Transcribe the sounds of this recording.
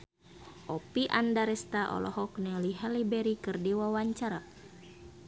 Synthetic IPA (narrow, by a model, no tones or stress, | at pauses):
ʔɔpiʔandaɾɛst̪aʔɔ̰lɔɦɔknɛliɦɛlibɛɾikɨrdiwawaɲt͡ʃaɾa